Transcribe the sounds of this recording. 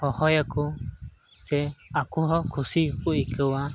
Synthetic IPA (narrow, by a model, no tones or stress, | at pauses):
hohojaku | seakuɦokʰusikuikɨwa